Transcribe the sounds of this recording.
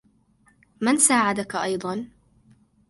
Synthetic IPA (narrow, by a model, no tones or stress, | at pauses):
mansaːʕad̪akaʔɑjd̪ˤɑn